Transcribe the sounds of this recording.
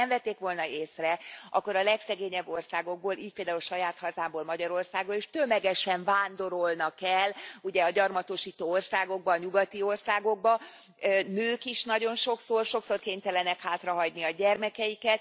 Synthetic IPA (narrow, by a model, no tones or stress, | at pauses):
ɛmvɛt̪ːeːkʋo̞lnɒeːsrɛɒ̰kːo̞ɾɒlɛksɛɡeːɲɛbːo̞rsaːɡo̞ɡ̚boːlʔiːc̚peːld̪aːulʃɒjaːt̪hɒzaːmboːlmɒɟɒɾo̞rsaːɡboleːʃt̪ømɛɡɛʃɛɱvaːnd̪o̞ɾolnɒkɛlːuɟɛɒɟɒrmɒt̪oʃiːt̪oːorsaːɡo̞ɡ̚bɒːɲuɡɒt̪io̞rsaːɡo̞ɡ̚bɒ | nøːkiʃnɒɟo̞nʃo̞ksorʃo̞kso̞rkeːɲt̪ɛlɛnɛkhaːt̪rɒɦɒɟniɒɟɛrmɛkɛjikɛt̪̚